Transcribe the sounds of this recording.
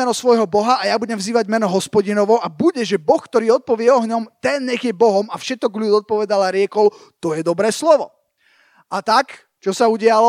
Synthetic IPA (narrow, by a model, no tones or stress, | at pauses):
ɛnɔsʋɔjɦɔbɔɦaajabuɟɛmvziːʋaɟmɛnɔɦɔspɔɟinɔʋɔʔabuɟɛʒɛbɔxkt̪ɔɾiːɔt̪̚pɔʋɪɛɔɦɲɔmt̪ɛnɲɛɣjɛbɔɦɔmafʃɛt̪ɔɡʎud̪ɔt̪̚pɔʋɛd̪alaɾɪɛkɔʊ | t̪ɔjɛd̪ɔbɾɛːslɔʋɔ | at̪ak | t͡ʃɔsauɟɪalɔ